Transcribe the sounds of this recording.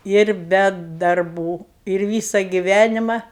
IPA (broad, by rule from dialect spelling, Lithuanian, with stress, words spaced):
ɪr ˈbʲɛ dɐrˈbuː ɪr ˈʋʲiːsɐ ɡʲɪˈʋʲænʲɪmɐ